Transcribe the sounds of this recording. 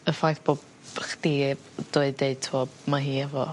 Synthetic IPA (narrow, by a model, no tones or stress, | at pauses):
əfajθb̥oːb | χd̥ibd̥ʊɨdeɨd̚tʰɔmaɦiːɛvɔ